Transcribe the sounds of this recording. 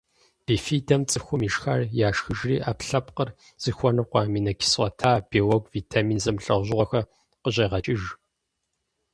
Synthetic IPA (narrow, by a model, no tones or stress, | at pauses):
b̥iːfiːdɐmt͡sʼɨxʷʊmiʃxarjaːʂxɨʒriːʔaːpɬɐpqər | z̥ɨxʷɔnɨqʷɑːmiːnɐkʲʰɪ̥sʷɐtʰaːb̥iːwɔɡʷviːtʰamiːnzɐmɬɐʁʑʁʷɔxɐ | qəʑɐʁɐt͡ʃʼɪʒ